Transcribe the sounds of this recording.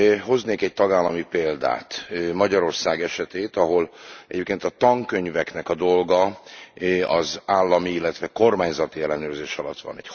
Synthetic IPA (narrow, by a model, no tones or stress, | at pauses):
ɦo̞zneːkɛc̚t̪ɒɡaːlːɒmipeːld̪a̰ːt̪mɒɟɒɾo̞rsaːɡɛʃɛt̪eːt̪ɒɦo̞lɛɟeːp̚keːnt̪ɒt̪ɒŋkøɲvɛknɛkɒd̪o̞lɡɒ | ɒzaːlːɒmiilːɛt̪ʋɛko̞rmaːɲzɒt̪iɛlːɛnøːrzeːʃɒlɒt̪ʋɒ̰nɛc